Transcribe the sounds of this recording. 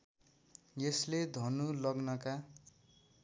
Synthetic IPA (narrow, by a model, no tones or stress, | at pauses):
jesled̪ʱʌnulʌɡnʌka